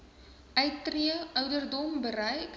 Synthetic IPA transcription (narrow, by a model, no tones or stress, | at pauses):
əjtriəœwdərdɔmbəɾɛjk